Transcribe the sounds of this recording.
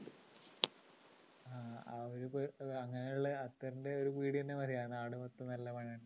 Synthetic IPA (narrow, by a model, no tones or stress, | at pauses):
aːa̰oɾupoɐŋːɐnejuɭːɐɐt̪ːɐrɐndeo̞ɾukiːɽienːemɐɾijaːɳaːɽumot̪ːɐnɐlːɐmɐɳːɐɳ